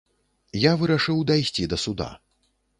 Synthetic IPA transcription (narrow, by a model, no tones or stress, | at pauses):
javɨɾaʂɨwd̪ajsʲt͡sʲid̪ɐsud̪a̰